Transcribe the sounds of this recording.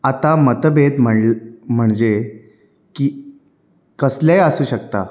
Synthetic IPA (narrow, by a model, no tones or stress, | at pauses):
at̪amət̪bed̪m̤əm̤əɳd͡ʑe | kiː | kəslejəsuːɕəkt̪a